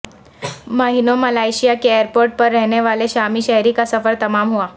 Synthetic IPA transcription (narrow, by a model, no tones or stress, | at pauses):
məɦinoməlajɕijakeeəɾpoɾʈ̚pəɾːəɦɳjeʋaleɕamiːɕəɦɾiːkəsəfəɾt̪əmamɦoa